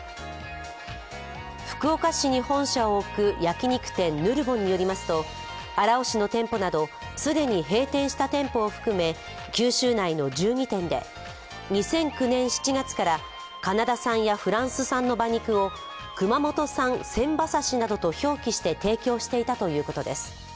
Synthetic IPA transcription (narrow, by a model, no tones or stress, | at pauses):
ɸɯ̟̥kɯ̟o̞kaɕiɲ̟ihõ̞ɰ̃ɕaoːkɯ̟jakʲiɲ̟ikɯ̟̥t̪ẽ̞nːɯ̟ɾɯ̟bõ̞ɲ̟ːijo̞ɾʲimasɨ̥t̪o̞ | aɾao̞ɕino̞t̪ẽ̞mpo̞nad̪o̞ | sɨd̪e̞ɲ̟iɦe̞ːt̪ẽ̞ɰ̃ɕi̥t̪at̪ẽ̞mpo̞ːɸɯ̟̥kɯ̟me̞ | kʲɨːɕɨːnaino̞d͡ʑɨːɲ̟it̪ẽ̞nd̪e̞̰ | ɲ̟isẽ̞ŋkɯ̟nẽ̞ɰ̃ɕi̥t͡ɕiɡat͡sɨ̥kaɾa | kanad̪asãɰ̃jaɸɯ̟ɾãɰ̃sɨsãnːo̞baɲ̟ikɯ̟o̞ | kɯ̟mamo̞t̪o̞sãnsẽ̞mbasaɕinad̪o̞t̪o̞ço̞ːkʲiɕi̥t̪e̞t̪e̞ːkʲo̞ːɕi̥t̪e̞it̪at̪o̞jɯ̟ːko̞t̪o̞d̪e̞sɨ̥